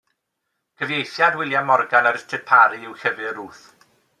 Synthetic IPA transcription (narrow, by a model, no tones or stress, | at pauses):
kʰəvjejθjadwɪlˠjamɔrɡanaɾɪstʰɨd̚pʰaɾiɪwxəvɨɾuːθ